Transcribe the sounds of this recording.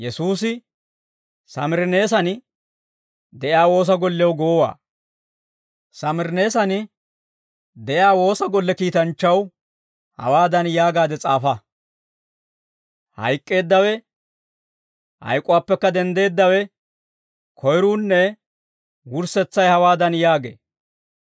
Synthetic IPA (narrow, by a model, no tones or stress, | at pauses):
jɛsuːsɪ | sɐmɪɾne̞ːs̬ɐn | d̪ɛʔjaːwo̞ːs̬ɐɡɔlːɛwɡoːwa̰ː | sɐmɪɾne̞ːsɐnɪ | d̪ɛjaːwo̞ːsɐɡɔlːɛkiːt̪ɐnt͡ʃːɐw | hɐ̰waːd̪ɐnjaːɡaːd̪ɛt͡sʼaːfɐ | hɐ̰jkʼːe̞ːd̪ːɐwɛ | hɐ̰jkʼʊwaːpːɛkːɐd̪ɛnd̪e̞ːd̪ːɐwɛ | kʰɔjɾuːnːɛ | wʊɾsɛt͡sːɐjhɐwaːd̪ɐnjaːɡḛː